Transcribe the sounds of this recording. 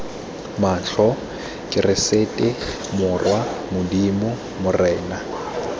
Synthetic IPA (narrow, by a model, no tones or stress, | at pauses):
maɬɔ | kʼɪrɪsetʼɪ | mʊrwamʊdimʊ | mʊrɛːna